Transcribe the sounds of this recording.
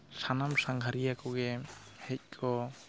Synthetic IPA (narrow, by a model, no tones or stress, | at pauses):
sanamsaŋɡʱaɾijakɔɡɛ | hɛc̚kʰɔ